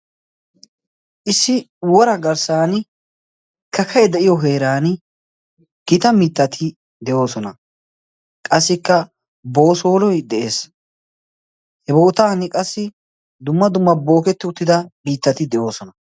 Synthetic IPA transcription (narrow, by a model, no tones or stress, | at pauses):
ʔɪsːɪ | wɔɾɐɡɐɾsaːn | kɐkʰɐjɛd̪ɛʔɪjɔɦeːɾaːn | ɡ̥ɪt̪ɐmiːt̪ːɐt̪ʰɪ | d̪ɛʔjo̞ːsɔnɐ | kʼɐsːɪkːɐ | bo̞ːso̞ːlɔjd̪ɛʔe̞ːs | hɛbo̞ːt̪aːnɪkʼɐsːɪ | d̪ʊmːɐd̪ʊmːɐbo̞ːkɛt̪ːɪʊt̪ːɪd̪ɐbiːt̪ːɐt̪ɪd̪ɛʔo̞ːsɔnɐ